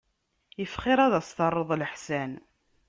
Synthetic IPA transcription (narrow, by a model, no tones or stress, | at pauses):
jəfχɪɾˤæðæst̪ɑrˤːəðˤləħsæn